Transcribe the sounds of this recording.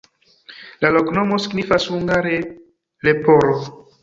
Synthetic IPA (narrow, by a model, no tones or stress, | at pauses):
laloknomosiɡnifashuŋɡaɾe | lepoɾo